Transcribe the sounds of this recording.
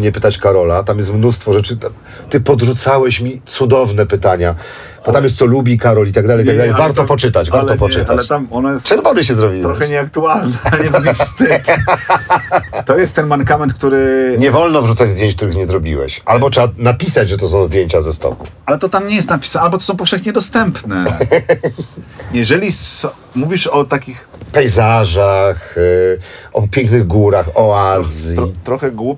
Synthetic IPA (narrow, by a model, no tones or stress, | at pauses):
ɲɛpɘt̪at͡ɕkaɾɔlat̪amjɛst̪mnust̪fɔʐɛt͡ʂɘt̪ | t̪ɘpɔd̪ʐut̪sawɛɕmʲit̪sud̪ɔvnɛpɘt̪aɲa | b̥ɔt̪amjɛst̪sɔlubʲikaɾɔlit̪aɡ̚d̪alɛjtt̪aɡd̪alɛjvaɾt̪ɔpɔt͡ʂɘt̪at͡ɕvaɾlɔpɔt͡ʂɘt̪aɛt̪amɔnajɛst̪t͡ʂɛbamɘɕ̬ɛzɾɔbʲiw̪ɾɔxɛɲɛakt̪ualnaɲɲɛbbʲfst̪ɪt̪ | t̪ɔjɛst̪ːɛnmaɾkamɛnt̪kt̪uɾɘɲɛvɔlnɔvʐut̪sad͡ʑzd̪ʲjeɲt͡ɕk̚t̪uɾɘxɲɛzɾɔbʲḭwɛ̰ɕʔalbɔtʂɛanapʲisad͡ʑʐɛt̪ɔsɔ̃w̃zd̪jeɲt͡ɕazɛst̪ɔ̰kṵ | alɛt̪ɔt̪amɲɛjɛst̪napʲi̥salbɔt̪ɔ̥sɔ̃w̃pɔfʂɛxɲɛd̪ɔst̪ɛmpnɛ | jɛʐɛlʲisɔ | muvʲiʂɔt̪akʲix | pɛjzaʐax | ɔpʲjɛŋknɘɣɡuɾaxɔazʲjɔt̪ɾɔxɛɡwup